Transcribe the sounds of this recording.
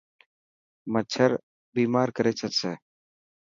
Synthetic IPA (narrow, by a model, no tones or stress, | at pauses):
mət͡ʃʰəɾ | biːmaːɾkəɾeːt͡ʃʰət̪seː